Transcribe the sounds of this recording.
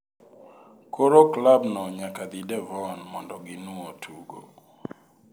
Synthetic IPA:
koɾoklabnɔɲakad̪idɛvɔnmɔndɔɡɪnuotʰuɡo̰

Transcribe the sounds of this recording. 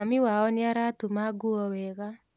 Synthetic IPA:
amiwaɔneaɾatumaɡuɔwɛɣa

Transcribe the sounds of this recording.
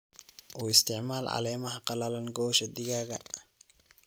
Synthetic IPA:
ʔɔːɪst̪ɪʕmaːlʕa̰lɛːmɐhaqɑlalɐnɡɔːʃɐd̪ɪɡaːɡɐ̰

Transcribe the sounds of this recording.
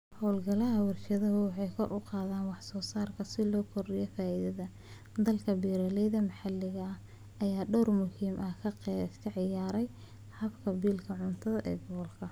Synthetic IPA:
hɔːlɡɐlɐɦɐwɪrʃɐðɐɦʊwɑħɑjkʰɔrʔʊqɑːðaːnwɑħsɔːsaːrkʰɐsɪlɔːkʰɔrɖɪjɔfaːiðɐðɐ | d̪ɐlkʰɐbiːɾɐlɛjðɐmɐħɑlːɪɣɐɐ | ʔɐjaːɖɔwrmʊhiːmʔɐkʰɐkʰɐʕɪjaːɾɛj | hɐbkʰɐbiːlkʰɐʕʊnt̪ʰɐðɐʔɛ̰ːɡɔɣɔlkʰɐ

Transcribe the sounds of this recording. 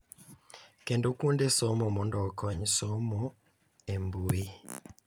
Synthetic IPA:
kendokundesɔmɔmɔndɔkɔɲsɔmɔ | embui

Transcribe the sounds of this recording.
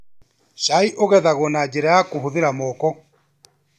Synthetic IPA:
ʃaiʔoɣɛðaɣɔnad͡ʒɛɾɛakuhuðiɾamɔkɔ

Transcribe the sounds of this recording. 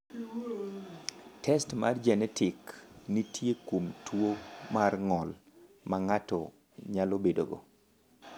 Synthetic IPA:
tʰɛstmard͡ʒɛnɛtɪknitʰjekomtʰwomarŋɔl | maŋatɔ | ɲalobedo̰ɡo̰

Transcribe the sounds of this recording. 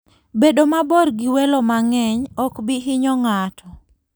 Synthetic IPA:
bedomabɔrɡɪwɛlɔmaŋɛɲɔkbɪɦɪɲɔŋatʰɔ

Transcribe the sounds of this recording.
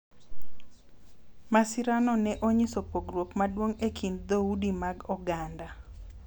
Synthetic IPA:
masɪɾanɔnɛʔoɲɪsɔpoɡrwokmadwoŋekʰind̪audimaɡɔɡanda

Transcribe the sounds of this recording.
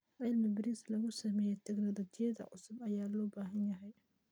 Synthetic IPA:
ʔɐlmɐbɪɾislɐɣʊsɐmɛːjɛt̪ʰɛɡnɐðɔt͡ʃ̪ʰɪjɐðɐ̰ʕʊ̰sʊbɐjaːlɔːbaːɦɐnjɐɦɛj

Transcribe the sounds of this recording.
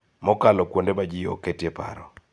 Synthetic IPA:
mɔkalɔkwondemad͡ʒijɔ̰ketjepa̰ɾɔ

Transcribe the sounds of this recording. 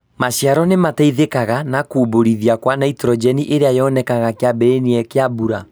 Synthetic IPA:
maɕjaɾɔnemataiðekaɣanakuboɾiðiakwanaitɾɔd͡ʒɛniʔeɾeajɔnɛkaɣakeabɛɾeniɛkeabuɾa

